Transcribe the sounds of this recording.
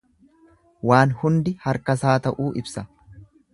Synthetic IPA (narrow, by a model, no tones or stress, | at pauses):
waːnhʊnd̪ɪhɐɾkɐsaːt̪ɐʔuːʔɪbsɐ